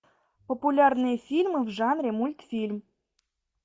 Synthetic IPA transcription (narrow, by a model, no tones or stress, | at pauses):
populʲarnɨjəfʲilʲmɨvʐɑnrʲemulʲt̪fʲilʲm